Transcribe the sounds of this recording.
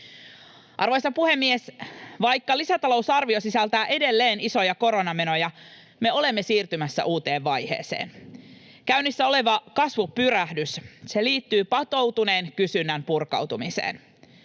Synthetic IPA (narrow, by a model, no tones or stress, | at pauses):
ʔɑrʋo̞jsɑpuhe̞mːiesʋɑjkːɑlisæt̪ɑlo̞uwsɑrʋio̞sisælt̪æːʔede̞lːeːniso̞jɑko̞ɾo̞nɑme̞no̞jɑ | me̞o̞le̞mːesiːrt̪ymæsːæ̰ʔuːt̪e̞ːʋːɑjhe̞̰ːsḛːn | kæynisːæo̞le̞ʋɑkɑsʋupyɾæhdysse̞liːt̪ːyːpɑt̪o̞wt̪une̞ːnkysynːæmpurkɑ̰wt̪umisḛːn